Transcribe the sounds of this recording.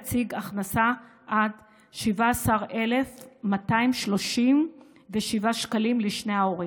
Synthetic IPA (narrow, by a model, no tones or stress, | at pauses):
t͡siɡaχnasaʔad | ʃivaːsaʁe̞le̞fmataimʃlo̞ʃim | veʃivaʃkalimliʃneao̞ʁi